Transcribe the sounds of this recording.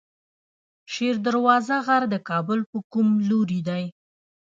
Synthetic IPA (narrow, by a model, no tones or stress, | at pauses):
ʃeɾd̪aɾwɑzaɣaɾd̪əkɑbʊlpəkumloɾid̪aj